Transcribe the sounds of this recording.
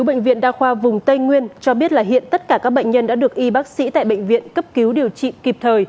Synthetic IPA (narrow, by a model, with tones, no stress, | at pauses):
wɓḛ˧˨jŋ̟vḭ˧˨ənɗaː˧xwaː˧vʊ˨˩ŋ͡mt̪ə˧jŋwi˧ənt͡ɕɔ˧ɓi˦˥ət̚laː˨˩ɦḭ˧˨ənt̪ə˦˥t̚kaː˧˩kaː˦˥k̚ɓə̰˧˨jŋ̟ɲə˧nɗa̰ː˧˥ɗɨ˨˩ək̚ʔi˧ɓaː˦˥k̚sḭ˧˥t̪a̰ː˧˨jɓə̰˧˨jŋ̟vḭ˧˨ənkə˦˥p̚ki˨˦wɗi˨˩əwt͡ɕḭ˧˨ki˨˩p̚t̪ʰəː˨˩j